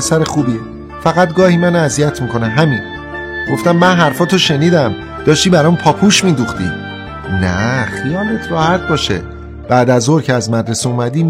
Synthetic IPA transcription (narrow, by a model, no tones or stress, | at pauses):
esæɾexuːbi | fæɣæt̪ɡɒːhiːmænæzijæt̪ʰmiːkʰo̞neɦæmin | ɡ̥o̞ft̪æmːænɦæɾfɒːt̪ʰoʃe̞niːd̪æm | d̪̥ɒːʃt̪iːbæɾɒːmpʰɒːpʰuːʃmiːd̪uxt̪ḭ | næ̰χijɒːle̞t̪ʰɾɒːhæt̪̚bɒːʃḛ | b̥æd̪æzoɾcʰeæzmæd̪ɾeseumæd̪iː